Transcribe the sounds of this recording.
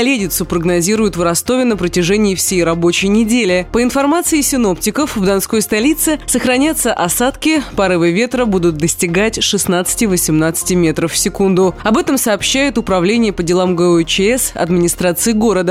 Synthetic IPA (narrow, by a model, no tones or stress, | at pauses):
ɐlʲedʲɪt̪sʊpɾəɡnɐzʲiɾʊjʊt̪vrɐst̪o̞vʲɪnəpɾətʲɪʐɛnʲɪːfsʲejrɐbot͡ɕɪjnʲɪdʲelʲɪpəɪnfɐrmat̪sɨɪsʲɪno̞ptʲɪkəfvd̪ɐnsko̞jst̪ɐlʲit̪sɨsəxɾɐnʲat̪səʔɐsat̪kʲɪpɐɾɨvɨvʲe̞t̪ɾəbud̪ʊt̪̚d̪əsʲtʲɪɡatʲʂɨsnat̪sɨ̥tʲɪvəsʲɪmnat̪sɨ̥tʲɪmʲe̞t̪ɾəfːsʲɪkund̪ʊɐbɛt̪əmsɐːpɕːæjɪt̪ʊpɾɐvlʲenʲɪjəpədʲɪlˠamɡət͡ɕɛsɐ̰d̪mʲɪnʲɪst̪ɾat̪sɨɪɡo̞ɾəd̪ə